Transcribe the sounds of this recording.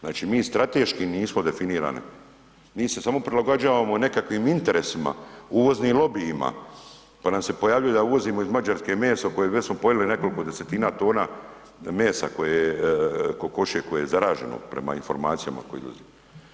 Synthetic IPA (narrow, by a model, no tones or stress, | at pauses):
znaːt͡ʃiːmiːst̪ɾat̪eːʃkiniːsmo̞d̪e̞finiːɾa̰ːnḭ | miːse̞samo̞pɾilaɡod͡ʒaːʋamone̞kakʋimint̪e̞ɾesima̰uʋo̞znimlˠo̞biːma̰ | panamse̞po̞jaːʋʎujed̪auʋo̞ziːmoizmad͡ʒaɾskemeːsakojeʋesmo̞po̞jeline̞ko̞liko̞d̪ese̞t̪iːnaːt̪o̞ːnaː | meːsa̰ko̞jej | koko̞ʃiekojejezaɾaːʒe̞̰no̰pɾe̞̰ma̰info̞ɾmaːt̪sija̰ma̰kojḛd̪o̰zi